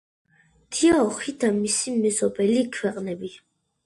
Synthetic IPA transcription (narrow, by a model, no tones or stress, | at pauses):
t̪ʰiaɔχid̪amisimɛzɔbɛlikʰwɛqʼnɛbi